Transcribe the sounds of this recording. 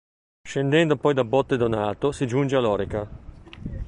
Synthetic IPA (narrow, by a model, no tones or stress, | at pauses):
ʃend̪ɛnd̪opɔjd̪abːɔt̪ːed̪onaːt̪osid͡ʒund͡ʒealɔːɾeka